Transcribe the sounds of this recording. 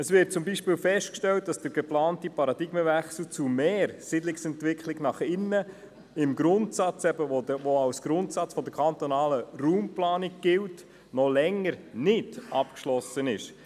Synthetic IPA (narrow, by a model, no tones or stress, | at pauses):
əsʋɪɾt̚t͡sʊmbiʃpiːlfɛʃtkʃtɛlt̚d̥ɑsd̥əɾɡ̥ɛplɑːntipɑɾɑd̥̪ɪɡ̥məvɛχsl̩t͡sumeːɾsɪdlɪksɛntʋɪkʰlɪɡnɑχɪnːə | ɪmɡɾʊntsɑt͡sɛbəʋoəʋoɑwsɡ̥ɾʊntsɑt͡sfɔdəɾkʰɑnt̪ɔnɑːləruːmplɑːnɪɡ̚ɡ̥ɪlt | nɔlɛŋːəɾnɪdʔɑpkʃlɔsənɪʃ